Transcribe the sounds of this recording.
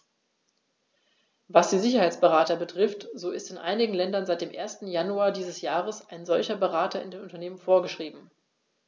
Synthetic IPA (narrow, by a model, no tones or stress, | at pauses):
vasd̥iːzɪçɐhaɪt͡sb̥əʁaːtɐbətʁ̥ɪftz̥oːɪstɪnʔa̰ɪnɪɡŋ̩lɛndɐnzaɪt̚d̥eːmʔḛːɐstn̩januaːɐdiːzəsjaːʁəsaɪnzɔlçɐbəʁaːtɐɪ̰ndeːnʔʊntɐneːmənfoːɐɡəʃʁ̥iːbm̩